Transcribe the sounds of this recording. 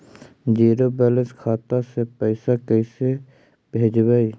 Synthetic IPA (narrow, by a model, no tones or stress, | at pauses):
d͡ʒiːɾobɛːlə̃skʰaːt̪asepəɪsakəɪse | bʱeːd͡ʒbəi